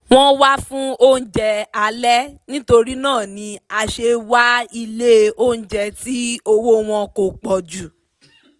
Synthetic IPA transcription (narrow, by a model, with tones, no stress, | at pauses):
w̃ɔ̃˦wa˦fũ˦o˦n̩˦˨d͡ʒɛ˧a˧lɛ˦nĩ˦to˧ɾi˦nãː˦˨nĩ˨˧˦a˨ʃe˧wa˦i˧le˦o˦n̩˨d͡ʒɛ˧ti˦o˧wo˦w̃ɔ̃˧ko˨k͡pɔ˨d͡ʒu˨